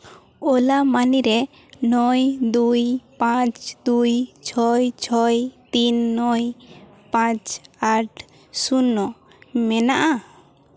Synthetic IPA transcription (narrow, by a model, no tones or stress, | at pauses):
ɔlamaniɾɛ | nɔjd̪ujpãt͡ʃd̪ujt͡ʃʰɔjt͡ʃʰɔjt̪inːɔj | pãt͡ʃaʈʰ | sunːɔ | mɛnaʔa